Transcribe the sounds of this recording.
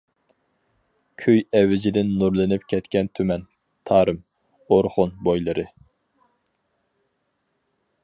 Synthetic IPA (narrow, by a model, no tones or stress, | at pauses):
kʲʰøjɛvːɪd͡ʒɪd̪ɪnːuɾlˠɨnɪpkʲʰɛt̪kʲɛnt̪ʰymɛn | t̪ʰɑːɾɨm | oɾχʊnbojlˠɨɾʔɨ